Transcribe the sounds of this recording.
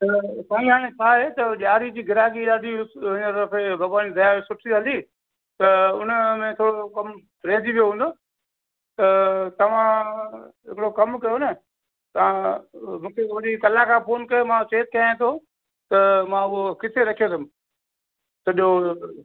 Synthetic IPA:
t̪ɐsaːĩɦaːɽ̃ẽt͡ɕʰaːɦet̪ɐʄaːɾid͡ʑiːɡʱɪɾaːɡiɗaːd̪ʱiɦɪɲət̪ɐɾfebʱɐɡʋaːnid̪ɐjaʋsʊʈʰidə̃n̆d̪iː | t̪ɐʊn̤əmẽt̪ʰoːɽokɐm | ɾẽːd͡ʑ̪iʋijoɦũːnd̪oː | t̪ɐt̪ɐʋ̤ã | ɦɪ̰kɪɽokɐmkɐjonɐ | t̪ɐʋ̤ãmũːkʰeʋɐɗikɐlakʰãːpoːnkɐjomãt͡ɕeːt̪̚kɐãt̪ʰo | t̪ɐmãʊɦokɪsʰeɾɐkʰijot̪ʰʊm | sɐɗo

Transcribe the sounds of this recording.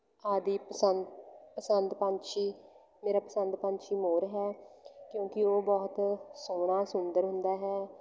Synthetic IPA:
aːd̪iːpəsənpəsənd̪pãnʃiː | meːɾaːpəsənd̪pãːnʃiːmoːɾɦɛːkjõːkɪoːbɔːt̪soːɽaːsʊnd̪əɾɦʊnd̪aːɦɛː

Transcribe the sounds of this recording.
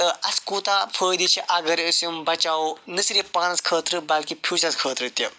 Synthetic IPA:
t̪ɐɐskuːt̪apʰəːjd̪it͡ʃʰiʔɐɡɐɾəsɐmbɐt͡ʃaːnɨsiɾʲɐpaːnɐskʰəːt̪ɾɨbɐlkipʰʲuːsɐskʰəːt̪ɾɨt̪ʲɐ

